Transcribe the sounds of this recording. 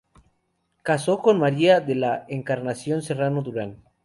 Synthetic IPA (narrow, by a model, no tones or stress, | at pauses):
kasoko̞nmaɾiaðelaeŋkaɾnasjo̞nse̞ranod̪uɾan